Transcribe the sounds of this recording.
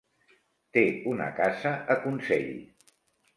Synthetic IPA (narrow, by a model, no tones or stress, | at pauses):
t̪eunə̰kazəʔəkunsɛʎ